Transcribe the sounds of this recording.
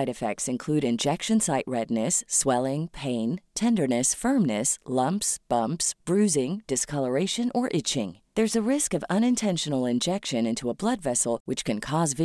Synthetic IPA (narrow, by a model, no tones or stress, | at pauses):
ɪɾɨfɛ̰k̚tsɨ̃nkʰl̥ʉɾɨ̃nd͡ʒɛkʃɨ̃nsaɪʔ̚ɹɛdⁿnɨswɛlˠɪ̃ŋpʰẽɪ̃ntʰɛ̃ndə˞nɨsfɜ̃˞mnɨslʌ̃mpsb̥ʌ̃mpsb̥ɹʉzɪ̃ŋd̥ɨskʰʌlˠə˞eɪʃɨ̃nʔə˞ʔɪt͡ʃɪ̰̃ŋ | ðə˞zɨɹɪskʌvʌ̃ñɨ̃ntʰɛ̃nʃɨnl̩ˠɨ̃nd͡ʒɛkʃɨ̃nɪ̃ntʰuəblʌdvɛsl̩ˠwɨt͡ʃkʰɨ̃nkʰɔzvɪ